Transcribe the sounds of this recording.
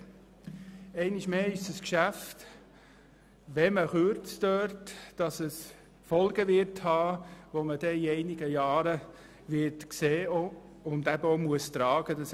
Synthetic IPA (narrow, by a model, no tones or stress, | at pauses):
ɛɪnɪʃmeːɪʃdəskʃæft | ʋɛməχøɾt͡sdøːɾtd̥ɑsəs | fɔlɡ̥əʋɪɾthɑːʋoməd̥ɛiɛɪnɪɡ̥əjɑːɾə | ʋɪɾtkseːo | ʊndæbəomuəst̪ɾɑːɡ̥ədɑs